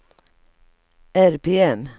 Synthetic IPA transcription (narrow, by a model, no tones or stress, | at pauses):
æɾpʰeːɛm